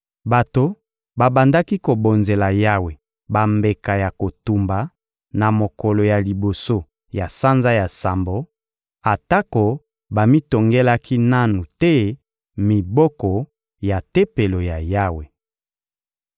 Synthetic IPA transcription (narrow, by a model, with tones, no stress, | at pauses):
ba˨to˨ | ba˨ba˨nda˦ki˦ko˨bo˨nze˨la˨ja˦we˨ | ba˨mbe˨ka˨ja˨ko˨tu˨mba˨ | na˨mo˨kɔ˨lɔ˨ja˨li˨bo˨so˦ | ja˨sa˦nza˦ja˨sa˨mbo˨˦ | a˨ta˦ko˨ | ba˨mi˦to˨ŋɡe˦la˦kʰi˦na˦nu˨tɛ˦ | mi˨bɔ˦kɔ˨ | ja˨te˦pe˨lo˨ja˨ja˦we˨